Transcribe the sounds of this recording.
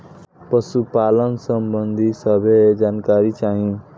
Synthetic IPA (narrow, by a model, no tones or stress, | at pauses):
pʌsupalʌnsʌmbʌnd̪ʱisʌbʱed͡zankaɾit͡saɦĩ